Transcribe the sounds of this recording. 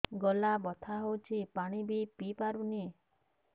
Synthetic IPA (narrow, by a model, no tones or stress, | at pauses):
ɡɔlabɔt̪ʰaɦowt͡ʃʰipaɽ̃ibipipaɾuni